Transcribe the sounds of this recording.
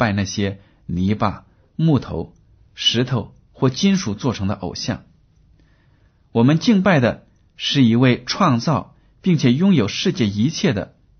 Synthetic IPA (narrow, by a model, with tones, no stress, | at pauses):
pa˥˧ɪna˥˩ɕjɛ˥ | ni˧˥pa̰˨˩ | mu˥˩t̪ʰo˧˥ʊ | ʂɻ̩˧˥t̪ʰo˨˩ʊ | xwɔ˥˩t͡ɕi˥nʂu˨˩t͡swɔ˥˩ʈ͡ʂʰɤ˧˥ŋd̪ə˧ʔo̰˨˩ʊɕjɑ̰˥˩ŋ | wɔ˨˩mə˧˦nt͡ɕi˥˧ŋpa˥˩ɪd̪ə˩ | ʂɻ̩˥˩i˧˥we˥˧ɪʈ͡ʂʰwɑ˥˧ŋt͡sɑ˥˩ʊ | pi˥˩ŋt͡ɕʰjɛ˨˩jʊ˥ŋjo˨˩ʊʂɻ̩˥˧t͡ɕjɛ˥˩i˧˥t͡ɕʰjɛ˥˩d̪ə̰˩